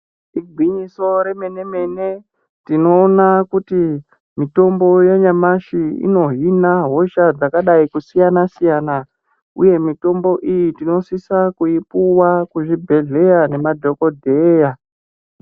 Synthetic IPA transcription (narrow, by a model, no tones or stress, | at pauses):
iɡʱwiɲiso̞ɾe̞me̞ne̞me̞ne̞ | tino̞ːnakuti | mito̞mbo̞jeɲamaʃiḭno̞ɦinaɦo̞ʃad͡zakaɗaikusijanasijana | uje̞mito̞mbo̞ʔijitino̞sisakuipuwakuʐibʱe̞ɮe̞jane̞madʱo̞ko̞dʱeja